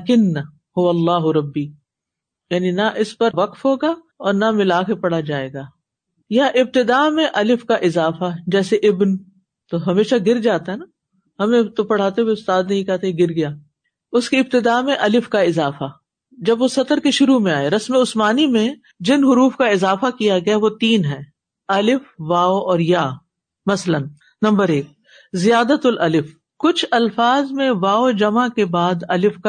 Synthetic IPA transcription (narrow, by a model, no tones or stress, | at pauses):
kɪnː | hʊʋɐlːaːɦʊɾɐbːiː | jaːninɐʔɪspɐɾʋɐqfɦoːɡaː | ɔːɾnɐmɪlaːkepɐɽ̤ad͡ʒaːeːɡaː | jɐʔɪb̚t̪ɪd̪aːmẽʔɐlɪfkaʔɪzaːfad͡ʒɛːseʔɪbn | t̪oɦɐmeːʃaɡɪɾd͡ʒaːt̪aɦɛna | ɦɐmẽt̪opɐɽ̤aːt̪eʋeʊst̪aːd̪nɐɦĩkɛt̪eɡɪɾɡɐjaː | ʊskiɪb̚t̪ɪd̪aːmẽʔɐlɪfkaɪzaːfa | d͡ʒɐbʋosɐt̪əɾkeʃʊɾumẽaːeɾɐsmeʊsmaːnimẽ | d͡ʒɪnɦʊɾuːfkaɪzaːfakijaɡɐjaʋot̪iːnɦɛː | ɐlɪfʋaːoɔːɾjaː | mɐslən | nɐ̃mbəɾeːk̚ | zijaːd̪ət̪ʊlʔɐlɪf | kʊt͡ʃʰɐlfaːzmẽʋaːod͡ʒɐmakebaːd̪ɐlɪfka